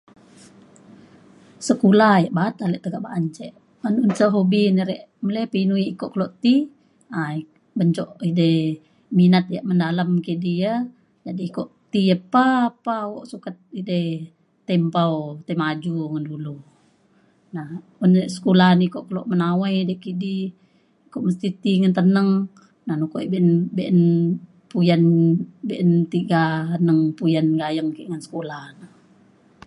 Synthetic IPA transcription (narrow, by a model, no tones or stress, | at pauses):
səkulajaʔbaat̪aleʔt̪əɡaʔbaʔaɲt͡ʃɛʔ | ənunsəɦobiniɾɛʔmələpinuiːkoʔkəloʔt̪i | a | bəɲt͡ʃɔʔidə | minat̪̚jaʔməndalamkidiə | d͡ʒadiːkoʔt̪ijəpaːpawoʔsukat̪̚idəh | t̪ɛmpawt̪amad͡ʒuŋandulu | nah | unʔsə̥kulahnikoʔkəloʔmənawajdɛkidiː | koʔməst̪it̪iŋant̪ənəŋ | nahnukoʔibɛʔnbɛʔən | pujanbeʔənt̪iɡanəŋpujanɡajəŋkiʔŋansə̥kulahna